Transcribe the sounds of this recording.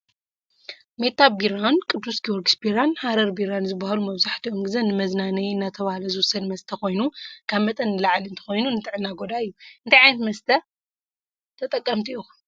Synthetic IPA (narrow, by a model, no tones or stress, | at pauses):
me̞t̪ʰːabiɾankʼɨd̪ːusɡioɾɡisbiɾanhaɾɐɾbiɾanzɨbːahalumɐβzaħt̪ʰioŋɡɨzɐnːɨmɐznanɐjɨnːat̪ʰɐβahalɐzɨwʊsɐd̪mɐst̪ʰɐko̞jnukʰaβmɐt̪ʼɐnːɨlaʕliɨnt̪ʰɐ̥xo̞jnunɨt̪ʰʼɨʕɨnːaɡo̞d̪aɨjːuɨnt̪ʰajʕajnɐt̪mɐst̪ʰɐ | t̪ʰɐt̪ʼɐkʼːɐmt̪ʰiu